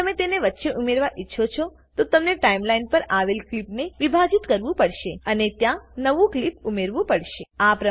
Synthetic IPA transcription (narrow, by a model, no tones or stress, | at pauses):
əmet̪eneʋətːʃeʔumeɾʋaʔitːʃʰot͡ʃʰo | t̪ot̪əmneʈaimlainpəɾaʋelklipneʋibʱad͡ʒit̪kəɾʋũpəɽʃeənet̪jãnəʋũklipumeɾʋũpəɽʃeapɾə